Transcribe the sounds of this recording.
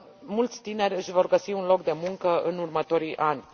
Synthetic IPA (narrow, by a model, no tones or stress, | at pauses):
mult̪sʲt̪ine̞rʲɨʃʲvo̞rɡəsiunlo̞kd̪e̞muŋkəɨnurmət̪o̞ɾiʔanʲ